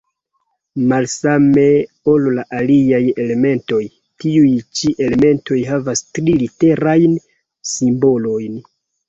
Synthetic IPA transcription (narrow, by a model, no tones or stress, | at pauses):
malsame̞ | o̞llaʔaliaje̞le̞me̞nto̞j | tiujt͡ʃiʔe̞le̞me̞nto̞jɦavastɾilite̞ɾajn | simbo̞lo̞jn